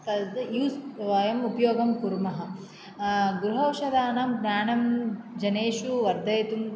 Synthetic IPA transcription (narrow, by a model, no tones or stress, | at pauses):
k̪ɐld̪ɐjuːsʋaːjɐmupɐjoːɡɐmkuɾmɐɦɐ̆ | ɡuɾuɦɐwʃɐd̪aːnaːmɡɲaːɳɐmd͡ʒɐneːʃuʋɐɾd̪ɐjt̪um